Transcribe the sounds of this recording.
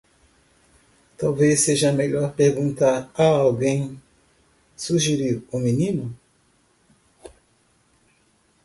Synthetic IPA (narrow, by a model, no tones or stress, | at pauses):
t̪awvesːeʒɐmeʎɔɾpeɾɡũnt̪aɾaawɡẽj̃ | suʒeɾiɾʊminĩnʊ